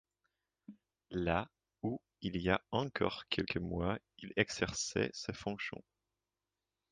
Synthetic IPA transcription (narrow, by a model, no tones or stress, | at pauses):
la | u | iliaɑ̃kʰɔʁkʲʰɛlkʰəmwa | ilɛɡz̥ɛʁsɛ̰sɛfɔ̃ksjɔ̰̃